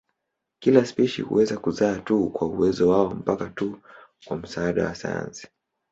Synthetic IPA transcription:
kilaspiʃḭhṵwɛzakuzaːtukwauwɛzɔwaɔm̩pakatu | kwam̩saaɗa̰wasa̰ja̰nsi̥

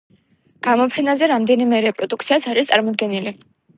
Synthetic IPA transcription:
ɡ̥amɔpʰɛnazɛɾamd̪ɛnimɛɾɛpʼɾɔd̪uk̚ʰt̪sʰiat̪sʰaɾist̪sʼaɾmɔd̪̚ɡɛnili

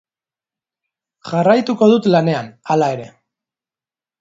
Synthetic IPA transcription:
ʝarajt̪uko̞ðut̪lane̞analae̞ɾe̞

